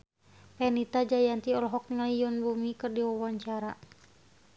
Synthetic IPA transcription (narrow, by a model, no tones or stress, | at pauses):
pɛnit̪ad͡ʒajant̪iɔlɔɦɔk̚ŋaijɔnbumikɨrdiwawaɲt͡ʃaɾa